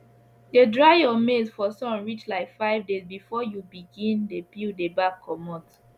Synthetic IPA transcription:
dedɹaɪjɔmezfɔsɔ̃nɹit͡ʃlaɪkfaɪvdezbifɔjubiɡĩndepildebakʰːɔmɔt

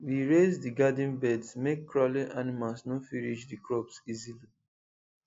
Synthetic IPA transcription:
wiɹezdiɡad̃nbɛdsmekːɹɔlĩʔanimalsnofiɹid͡ʒdikɹɔbsizili

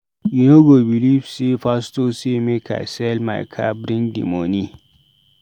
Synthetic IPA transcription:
junoɡobilifsefastosemekʰa̰sɛlma̰jkʰa̰bɾĩndḭmoni

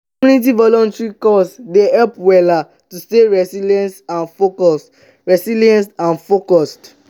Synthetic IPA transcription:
ɔunit̬ivɔlɔ̃ntɹikɔsdehɛlpwɛla | tusteɹɛsiliɛ̃nsãnfokɔs | ɹɛsiliɛ̃nstãnfokɔst

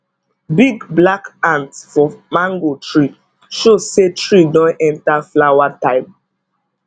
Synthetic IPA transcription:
biɡblakãntfɔmãŋɡotʰɹi | ʃozsetɹidɔ̃nɛ̃ntaflawatãɪp

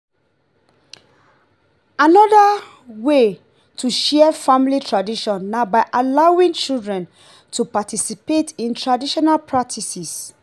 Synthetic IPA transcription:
anɔda | we | tʰuʃɛəfamilitɹadiʃɔ̃nːabaɪʔalaĩŋt͡ʃildɹɛ̃n | tʰupatisipetĩntʰɹadiʃɔnalpʰɹak̚tʰisis

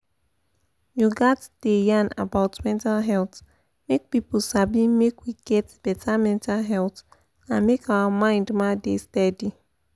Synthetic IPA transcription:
juɡatd̥ejãna̰baʊtmɛ̃ntalɦɛlt | mek̚piposabimekwiɡ̥ɛtb̥ɛtʰamɛ̃ntʰalɦɛlt | ãnmekawamãɪ̃ndmadestɛdi

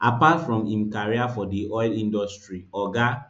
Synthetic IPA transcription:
ʔapatfɹɔ̃mĩmkaɹiafɔdiʔɔɪlĩndɔstɹiɔɡa

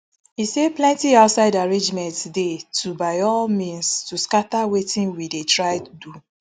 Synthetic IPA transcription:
iseplɛ̃ntiaʊtsaɪdaɹẽnd͡ʒmɛ̃ntdetʰubaɪɔlmĩnstuskatawetĩnwidetɹaɪtdu

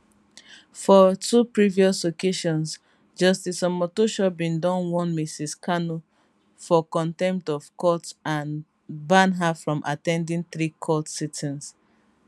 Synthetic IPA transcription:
fɔtupɹiviɔslokeʃɔ̃ns | d͡ʒɔstisɔ̃mɔtoʃɔbĩndɔ̃nwɔ̃nmisiskʰanu | fɔkɔ̃ntɛ̃mp̚tɔv̥kɔtãn | bãnɦafɹɔ̃mʔa̰tɛ̃ndĩŋθɹikʰɔtsitʰɛ̃ns

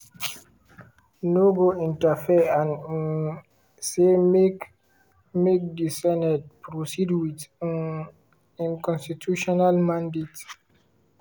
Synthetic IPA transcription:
noɡoĩntafɛãn | semk | mek̚disɛnɛt̚pɾosidwitn | ĩnkɔ̃nstitʰuʃɔnalmãndet

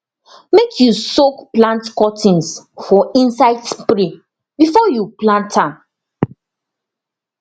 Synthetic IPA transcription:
mekʰjusokplãntkɔtʰĩnsfɔĩnsaɪdspɾi | bifɔjuplãntʰãm

